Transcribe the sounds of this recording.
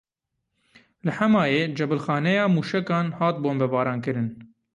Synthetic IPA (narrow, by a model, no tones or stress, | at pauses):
lɨħɛmɑːjeːd͡ʒɛbɨlxɑːnɛjɑːmuːʃɛkɑːnhɑːt̪̚boːnbɛbɑːɾɑːnkɨɾɨn